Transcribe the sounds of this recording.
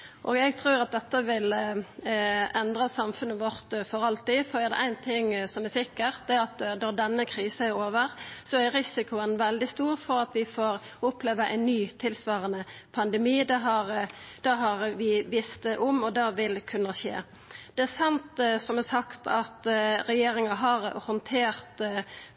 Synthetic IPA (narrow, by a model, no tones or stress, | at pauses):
ʔɔ̰ːɡɛɡt̪ʰɾuːɾɑt̪̚d̪ɛt̪ːəʋɪl | ɛnd̪ɾɑsɑmfʉnːəʋɔɾt̪fɔɾɑlt̪ɪfɔd̪ɪæd̪ɛ̰ʔæɪnt̪ʰɪŋːsɔmæsɪkːəʁ̚d̪ɛæɾɑt̪nɔɾd̪ɛnːəkʰɾiːsəæɾoːʋəɾsɔæɾɾɪsɪkʊənʋɛld̪ɪst̪uːʁfɔɾɑt̪ʋɪfoːɾ | ʊpleːʋəʔæ̰ɪnːyːt̪ʰɪlsʋɑːʁənəpʰɑnd̪ɛmiːd̪ɛɦɑɾd̪̥ɑɦɑɾʋɪʋɪst̪əʔʊmɔd̪ɑʋɪlkʰʉnːəʃḛː | d̪̥ɛæɾsɑnt̪sɔmæsɑkt̪ʰɑt̪ɾɛjeːɾɪŋɑɦɑɾhɔnt̪ʰeːɾt̪